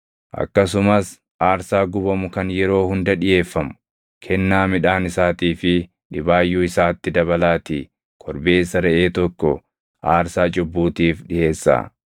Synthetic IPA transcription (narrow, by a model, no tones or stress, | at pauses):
ʔɐ̰kːɐsʊmɐs | ʔaːɾsaːɡʊbɐmʊkɐnjɛɾo̞ːhʊnd̪ɐᶑɪje̞ːfːɐmʊ̥ | kʰɛnːaːmɪᶑaːnɪsaːt̪iːfɪ | ᶑɪbaːjːuːɪsaːt̪ːɪd̪ɐβɐlaːt̪iː | kʰɔɾbe̞ːsːɐɾɛʔe̞ːt̪ɔkːɔ̰ | ʔaːɾsaːt͡ʃʼʊbːuːt̪iːfᶑɪje̞ːsːa̰ː